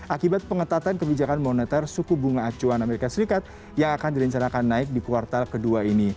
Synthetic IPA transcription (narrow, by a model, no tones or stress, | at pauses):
ʔakibat̪̚pəŋət̪at̪ankəbid͡ʒakanmonɛt̪ɛrsukubuŋaːt͡ʃuanameɾikasəɾikat̪̚ | jaŋakandiɾəɲt͡ʃanakanːaɪk̚dikuwart̪alkəduaini